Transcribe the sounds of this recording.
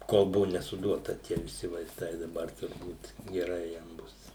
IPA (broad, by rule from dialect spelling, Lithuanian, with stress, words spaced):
ˈkoːlˠ ˈbʊʋʊ nʲɛsʊˈduɔtɐ ˈtʲiɛ ʋʲɪˈsʲɪ ʋɐɪˈstɐɪ dɐˈbɐr tʊrˈbuːt ɡʲɛˈrɐɪ jɛm ˈbʊs